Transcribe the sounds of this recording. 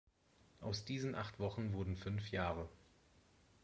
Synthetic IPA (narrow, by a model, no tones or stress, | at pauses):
ʔaʊsd̥iːzən̩ʔaχtv̥ɔχn̩vʊɐdn̩fʏnfjaːʁə